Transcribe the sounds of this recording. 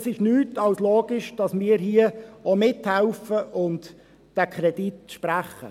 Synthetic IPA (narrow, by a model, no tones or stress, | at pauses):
sɪʃnyːtɑlsloːɡɪʃd̥ɑsmɪːəɾɦiəomɪthæʊfəʔʊnt | d̥ækʰɾɛd̥itʃpræχə̰